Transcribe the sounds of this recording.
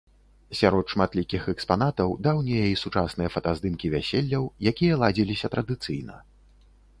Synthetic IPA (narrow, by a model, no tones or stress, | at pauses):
sʲaɾɔt̪ʂmat̪lʲikʲixɛkspanat̪ɐwd̪awnʲejɐisut͡ʂasnɨjɐfɐt̪azd̪ɨmkʲivʲasʲelʲːɐwjakʲijɐlˠad͡zʲilʲisʲɐt̪ɾɐd̪ɨt̪sɨjnɐ̰